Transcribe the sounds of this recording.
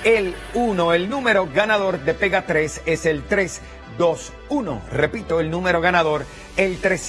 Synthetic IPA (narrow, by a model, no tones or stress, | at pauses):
elunoelnũmeɾo̞ɡanað̞o̞ɾd̪e̞peɣat̪ɾese̞selt̪ɾes | d̪o̞s | uno̰repit̪oelnũme̞ɾo̞ɣ̞anaðo̞ɾ | elt̪ɾes